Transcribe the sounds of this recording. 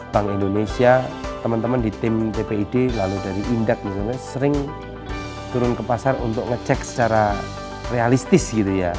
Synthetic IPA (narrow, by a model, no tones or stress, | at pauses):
b̥aŋindonesiat̪əmənt̪əməndit̪ɪmt̪epeidelaludaɾiʔindak̚bis̬alɲasəɾɪŋ | t̪uɾʊnkəpasarṵnt̪ʊkŋət͡ʃɛksə̥t͡ʃaɾa | realist̪ɪsɡit̪uja